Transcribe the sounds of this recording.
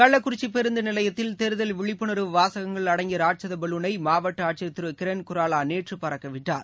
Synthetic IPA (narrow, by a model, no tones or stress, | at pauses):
kɐɭːɐkːʊɾɪt͡ʃːipːɛɾɯnd̪ɯnɪlɐjɐt̪ːɪlt̪ɛɾɯðɐlʋɪɭɪpːɯɳɐɾɯʋaːsɐɣɐŋɡɐɭɐɽɐŋɡɪɾaːʈ̚t͡ʃɐðɐbɐlɯnɐɪmaːʋɐʈːɐaːʈ̚t͡ʃɐt̪ːɯɾɯkɪɾenkʊɾaːlaːneːʈrɯpɐɾɐkːɐʋɪʈːa̰ːɾ